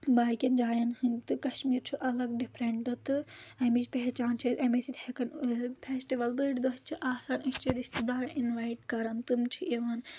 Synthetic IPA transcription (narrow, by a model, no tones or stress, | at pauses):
baːkʲɐnd͡ʒaːjɐnhɨnʲt̪ɨkɐʃmiːɾt͡ʃʰuʔɐlɐɡ̚ɖipʰɾeɳɖɨt̪ɨɐmit͡ʃpeɦt͡ʃaːnt͡ʃʰɐt̪ɐmesid̪hekɐnpʰesʈiʋɐlbɨʈd̪oɦt͡ʃʰiʔaːsaːnɨʃt͡ʃʰiɾist̪id̪aːɾɐʔinʋaːiʈkɐɾɐnt̪ɨmt͡ʃʰiʔeʋɐn